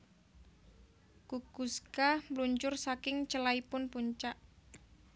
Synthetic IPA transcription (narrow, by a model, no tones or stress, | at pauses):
kukuskamluɲt͡ʃʊrsakɪŋt͡ʃəlaipʊnpuɲt͡ʃaʔ